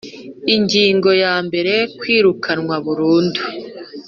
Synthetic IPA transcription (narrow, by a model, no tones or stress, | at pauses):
iɲɟiːŋɡo̞jaːmbe̞ɾe̞kwiːɾukʰanŋwaβuɾuːndu